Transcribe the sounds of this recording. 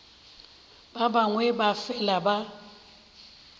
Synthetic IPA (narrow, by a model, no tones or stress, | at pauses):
b̥abaŋwɛbafɛlaba